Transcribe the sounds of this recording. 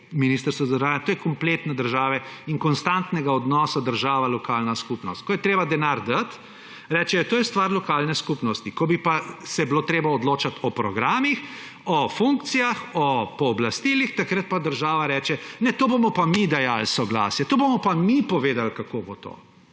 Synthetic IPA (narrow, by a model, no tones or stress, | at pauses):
minist̪əɾst̪ʋɔzəɾʒaːnjat̪oːjɛkɔmplet̪nɛd̪əɾʒaːʋɛiŋkɔnst̪ant̪nɛɡaɔd̪nɔsad̪əɾʒaːʋalɔkaːlnaskupnɔst̪̚kɔjɛt̪ɾeːbad̪ɛnaɾd̪at̪ | ɾɛːt͡ʃɛɔt̪oːjɛst̪ʋaɾlɔkaːlnɛskupnɔst̪ikɔbipasɛbiloːt̪ɾeːbaɔd̪loːt͡ʃat̪ɔpɾɔɡɾaːmix | ɔfuŋkt̪sijaxɔpɔːblast̪iːlixt̪akɾət̪̚pad̪əɾʒaːʋaɾɛːt͡ʃɛnɛt̪oːbomɔpamid̪ajalsɔɡla̰ːsjɛt̪oːbomɔpamipɔʋeːd̪alkakobot̪o̰ː